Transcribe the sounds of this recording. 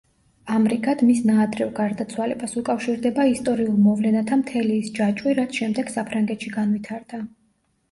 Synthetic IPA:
amɾiɡʰad̪̥misnaːd̪ɾɛvɡaɾd̪at̪sʰwalɛbasukʼafʃiɾd̪ɛbaist̪ʼɔɾiulˠmɔvlɛnat̪ʰamt̪ʰɛliːsd͡ʒat͡ʃʼwiɾat̪sʰʃɛmd̪ɛɡ̥sapʰɾaŋɡɛt̪ʰʃiɡanvit̪ʰaɾd̪̥a

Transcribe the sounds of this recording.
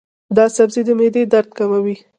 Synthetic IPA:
d̪ɑsabzid̪əmed̪ed̪aɾd̪̚kamawi

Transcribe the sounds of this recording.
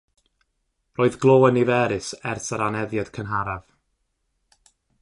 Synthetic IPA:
roːɨðɡlˠoːənivɛːɾɨsɛrsaɾanɛðjad̥kʰənɦaɾav̥

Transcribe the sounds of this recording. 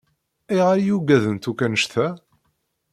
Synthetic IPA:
iʁaɾjuɡæðənt̪ukːænəʃt̪æ

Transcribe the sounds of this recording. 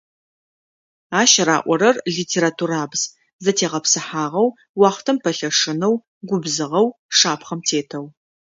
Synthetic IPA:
aːʃɐɾa̰ːʔʷɔɾɐrɮiːtʰeːɾatʰuɾaːbz | zɐtʰeːʁɐpsɨħaːʁɐw | wɑːχtʰɐmpʰɐɬɐʂɨnɐw | ɡʷʊbzɨʁɐwʂaːpχɐmtʰeːtʰɐw

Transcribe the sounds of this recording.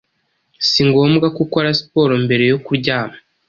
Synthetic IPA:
siŋɡo̞ːmɡakuko̞ɾaspo̞ːɾo̞mbe̞ɾe̞jo̞kuɾɟaːma

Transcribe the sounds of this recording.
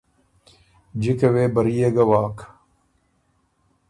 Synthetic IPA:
d͡ʑikeweːbɐɾijeɡɐwaːk

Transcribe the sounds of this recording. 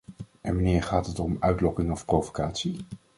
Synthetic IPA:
ʔɛnʋanɪːɹχaːtətɔmœɥtlɔkɪŋɔfprovokaːtsi

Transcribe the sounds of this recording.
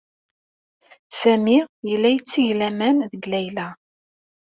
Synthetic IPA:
sæmijəlːæjt͡sːiʝlæmænðəɡlæjlæ

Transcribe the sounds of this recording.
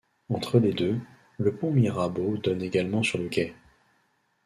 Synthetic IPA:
ɑ̃t̪χəled̪ø | ləpɔ̃miʁabod̪ɔneɡalmɑ̃syʁləkʲɛ

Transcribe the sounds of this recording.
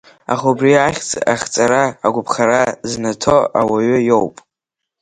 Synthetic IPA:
a̰χaubriaχʲt͡sʼaχʲt͡sʼaɾaːɡʷʊpʰχaɾaznatʰoa̰waɥʏjowpʼ

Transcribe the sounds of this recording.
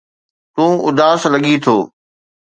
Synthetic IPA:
t̪ũːʊd̪aːslɐɠit̪ʰoː

